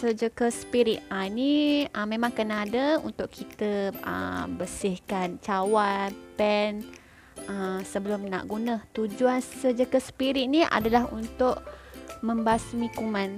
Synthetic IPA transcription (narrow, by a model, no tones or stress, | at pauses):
səd͡ʒəkəsə̥piɾit̪̚aniəmemãŋkənaːdəṵnt̪ʊʔkʰit̪əə̰bəsɪhkant͡ʃawapɛn | əsəbəlʊmna̰ʔɡunət̪ud͡ʒuansəd͡ʒəkəsə̥piɾit̪̚niʔa̰dalaɦunt̪ʊʔmə̃mbasmikumãn